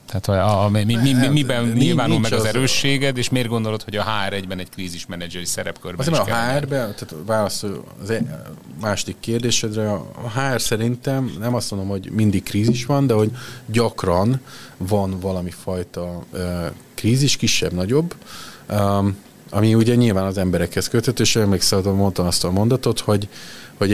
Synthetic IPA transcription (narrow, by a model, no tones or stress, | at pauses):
t̪aːt̪hommimiimibɛnɲilvaːulmɛɡɒzɛɾøːʃːeːɡɛt̪eːʃmeːrɡo̞nd̪olo̞t̪ho̞ɟɒɦaːɛɾɛɟbɛnɛckriːziʃmɛnɛd͡ʒɛɾisɛɾɛpkø̰rbzeɒɛɦaːrbɛt̪aːt̪vaːlɒsolɒ̰zɛmaːʃod̪ikːeːrd̪eːʃɛd̪rɛ̰ːɦaːrsɛɾint̪ɛmnɛmɒst̪mond̪o̞mho̞ɟmind̪ikkːriːziʃʋɒnd̪ɛɦo̞ɟɟɒkrɒnvɒnvɒlɒmifɒjt̪ɒøːkriːziʃkiʃːɛ̰bnɒɟo̞bː | ɒmiuɟɛɲilvaːnɒzɛmbɛɾɛkhɛskøt̪ːɛt̪øːʃɛømleːksɛd̪mo̞nt̪omɒst̪ɒlmo̞nd̪ɒt̪o̞t̪ho̞ɟho̞ɟ